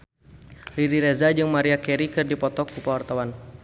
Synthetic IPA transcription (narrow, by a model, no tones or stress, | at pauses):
riɾiɾɛzad͡ʒɨŋmaɾiakɛɾikɨrdipɔt̪ɔkːupawart̪awan